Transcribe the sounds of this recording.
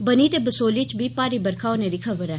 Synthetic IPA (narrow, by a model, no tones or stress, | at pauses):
bəniːt̪eːbəsoːliːt͡ʃbiːpaːɾiːbəɾkʰaːoneːɾiːkʰəbəɾɛː